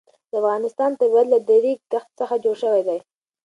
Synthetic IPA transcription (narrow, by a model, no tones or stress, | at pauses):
d̪̥əafɣɑnɪst̪ɑnt̪aad̪lad̪aɾik̚t̪axt̪səxad͡ʒoɽʃəwajd̪aj